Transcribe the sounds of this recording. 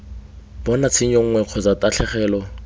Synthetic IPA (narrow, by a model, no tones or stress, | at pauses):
b̥ɔnat͡sʰɪɲɔŋ̩ŋwɛq͡χʰɔt͡sataɬʰɛχɛːlɔ